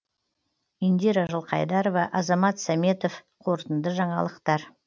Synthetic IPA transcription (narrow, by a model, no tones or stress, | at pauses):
ind̪iɾaʒəlˠqʰɑ̰jd̪ɑɾovɑʔɑzɑmɑt̪sɑmʲe̞t̪of | qʰo̞ɾt̪ənd̪əʒɑɴɑ̰lˠəqt̪ɑɾ